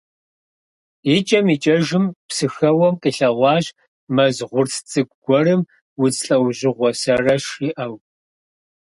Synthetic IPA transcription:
it͡ʃʼɐmit͡ʃʼɐʒɪmpsɨxɐwɔmkʼɨɬɐʁʷɑːʒ | mɐzʁʷʊrsʰt͡sʼɨɡʷɡ̥ʷɔrɨm | wʊzɬʼɐwʑɪʁʷɔsɐrɐʃiʔɐw

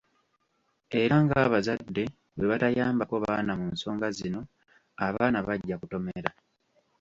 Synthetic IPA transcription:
e̞ɾaŋɡaːβazadːe̞ | we̞βatajaːmbako̞βaːnamuːnso̞ːŋɡazino̞ | aβaːnaβaɟːakuto̞me̞̰ɾa

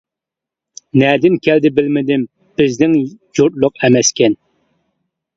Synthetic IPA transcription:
nɛd̪ɪmkʲʰæld̪ɪbɪlmɪd̪ɪm | b̥ɪznɪŋjuɾt̪̚lˠʊqɛmɛskʲʰɛn

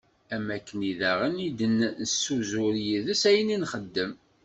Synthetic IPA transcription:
æmːækːəniðæʁənid̪ənnəsːuzʊɾjiðəsæjəninχəd̪ːəm

